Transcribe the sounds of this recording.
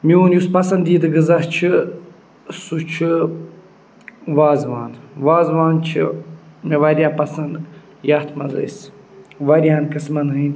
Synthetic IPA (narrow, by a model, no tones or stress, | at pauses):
miuːnʲjuspɐsɐnd̪iːd̪ɨɡɨzɐht͡ʃʰi | sut͡ʃʰɨ | ʋaːzʋaːnʋaːzʋaːnt͡ʃʰḭmiʋɐɾʲjaːpɐsɐnd̪ | jaht̪ʰmɐzɐ̰js | ʋɐɾʲijaːnkɨsmɐnɦɨn